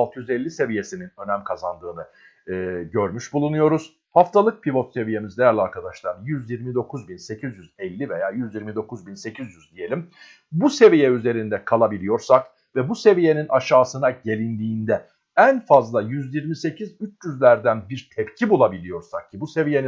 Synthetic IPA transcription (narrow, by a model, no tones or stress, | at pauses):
lˠt̪ʰɯjyzɛlʲːise̞vije̞sininø̞næmkʰazand̪ɯːnɯ | ɯːɟø̞ɾmyʃbulˠunujo̞ɾuz̥ | haft̪ʰalˠɯk̚pʰivo̞t̪se̞vije̞mizd̪ejæɾlʲaɾkʰad̪aʃlˠaɾjyzjiɾmid̪o̞kʰuzbinse̞cʰizjyzɛlʲːivejaːjyzjiɾmid̪o̞kuzbinse̞cʰizjyzd̪ije̞lʲim | buse̞vijɛyze̞ɾind̪ɛkʰalˠabilʲijo̞ɾsak | vɛbuse̞vije̞ninʔaʃaːsɯnaɟe̞lʲind̪iːnd̪ɛ | ænfazlˠajyzjiɾmise̞cʰizyt͡ʃjyzlʲæɾd̪ænbiɾt̪ʰɛpcʰibulˠabilʲijo̞ɾsak̚cʰibuse̞vije̞ni